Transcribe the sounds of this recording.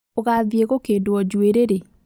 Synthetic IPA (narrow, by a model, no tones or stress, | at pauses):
oɣaðjeɣokedwɔd͡ʒweɾeɾe